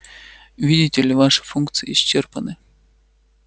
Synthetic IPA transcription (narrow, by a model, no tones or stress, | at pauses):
vʲidʲɪtʲɪlʲɪvaʂɨ̥funkt̪sɨːɕt͡ɕːerpənɨ